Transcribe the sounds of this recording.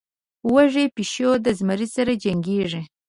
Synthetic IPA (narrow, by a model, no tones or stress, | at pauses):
waʐepiʃjod̪əzmaɾisaɾad͡ʒaŋɡeʐi